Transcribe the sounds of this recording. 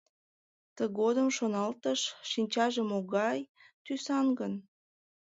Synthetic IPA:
t̪əɣod̪əmʃonɑlt̪əʃːinʲt͡ɕɑʒəmoɣɑj | t̪ysɑnɡən

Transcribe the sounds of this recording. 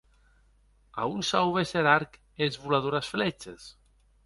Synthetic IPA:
a̰unsawβeseɾaɾk | ezβulað̞oɾasflɛt͡ʃḛs

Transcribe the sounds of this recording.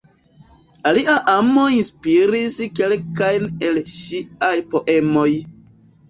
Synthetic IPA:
aliʔaʔamoinspiɾiske̞lkajne̞lʃiajpo̞ʔe̞mo̞j

